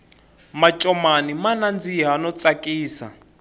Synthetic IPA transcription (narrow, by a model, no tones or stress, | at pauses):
mat͡ʃʼɔmanimanand͡ziɦanɔt͡sʼakʼiːsa̰